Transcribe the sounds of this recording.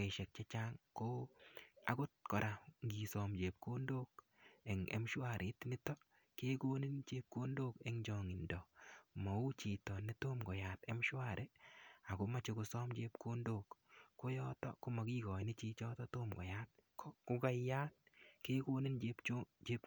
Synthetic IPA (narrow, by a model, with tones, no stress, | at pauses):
ke˨ʃɛ˨k̚t͡ʃe˦t͡ʃa˦ŋkoː˦a̰˨kʊ˦t̚kɔ˨ɾa˨ŋɡi˨sɔ˨md͡ʒe˨p̚ko˦ndo˦k | e˨ŋḛ˨mʃwa˨ɾʔe˨˦tnɪ˦tɔ˦ | ke˦ko˦ni˦nt͡ʃe˦p̚ko˦ndoː˦ke˦ŋd͡ʒɔ˨ŋɪ˨ndɔ˨mɔ˨u˦t͡ʃiː˨tɔ˨ni˦to˦mɡɔ˨ja˨te˦mʃwa˦˨ɾʔe˦a˨ko˦ma˨t͡ʃe˧ku˧sɔ˦md͡ʒe˦pko˦ndo˨kkːo˦jɔ˦tɔ̰˦ko˦ma˨kiː˦kɔ˨nɪ˦t͡ʃi˦t͡ʃɔ˦tɔ˦toː˦mɡɔ̰˨ja˦t̚kkʊ˦ka˦ja˦t̚keː˦ko˦ni˦nd͡ʒe˦pt͡ʃo˦t͡ʃe˦p̚